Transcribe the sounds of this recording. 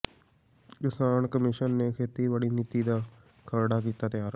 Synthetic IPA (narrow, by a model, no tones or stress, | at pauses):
kɪsaːnkəmɪʃənːeːkʰeːt̪iːʋaɽiːniːt̪iːd̪aː | kʰəɾɽaːk̬iːt̪aːt̪ɪjaːɾ